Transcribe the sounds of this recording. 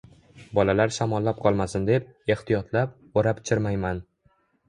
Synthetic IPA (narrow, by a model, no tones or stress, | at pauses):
bɒlalaɾʃamɒlːap̚qʰɒlˠmasɪnd̪e̞p̚e̞ht̪ijɒt̪lap | oɾapt͡ʃʰɪɾmajman